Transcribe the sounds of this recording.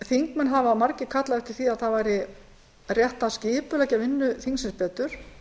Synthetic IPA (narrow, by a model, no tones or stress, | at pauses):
θiŋkmɛnɦavaːmaɾcɪ̥kʰat̪laðɛft̪ɪɾ̥θiaðθaðvajɾɪ | rjɛht̪ascɪːpʏlɛːcavɪnːʏθiŋksɪnspɛːt̪ʏɾ̥